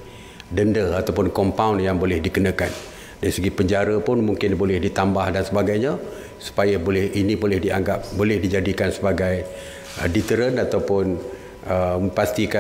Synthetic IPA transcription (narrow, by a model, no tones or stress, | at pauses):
dəndəat̪awpʊnkɔmpawnjaŋbolɛhdikənakan | daɾisəɡipəɲd͡ʒaɾapʊnmuŋkɪnbolɛhdit̪ambahdansəbaɡajɲa | su̥pajabolɛhinĩbolɛhdia̰ŋɡap̚bolɛhdid͡ʒadikansəbaɡaj | dit̪əɾənat̪awpʊn | əpast̪ika